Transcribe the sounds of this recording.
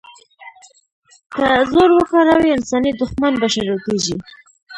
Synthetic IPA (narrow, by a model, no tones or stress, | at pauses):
kazoɾwəkaɾawiɪnsɑnid̪ʊxmanbaʃaɾakeʒi